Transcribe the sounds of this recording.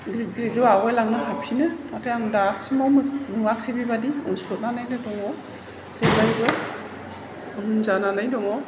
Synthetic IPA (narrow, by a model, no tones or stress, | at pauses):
ɡɾit̚ɡɾitɾɔawejlaŋnɯɦapʰinɯmatʰejaŋdasmɔmnuak̚sibibadiunsɔt̚nanajnɯdɔŋɔ | zebajbɔ | unzananajdɔŋɔ